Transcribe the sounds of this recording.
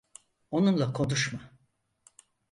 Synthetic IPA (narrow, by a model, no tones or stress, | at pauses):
o̞nunlˠakʰo̞nuʃma